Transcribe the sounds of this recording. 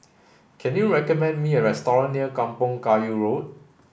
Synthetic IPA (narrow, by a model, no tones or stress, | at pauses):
kʰɛ̃njuɹɛkəmɛ̃nmiəɹɛstɔɹə̃nːiəkãmpɔ̃ŋkajuɹot̚